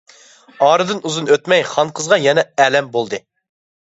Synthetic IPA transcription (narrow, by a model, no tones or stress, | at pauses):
ɑːɾɨd̪ɨnuzunøt̪mɛjχɑnqʰəzʁɑjɛnɛɛlɛmbolˠd̪ɨ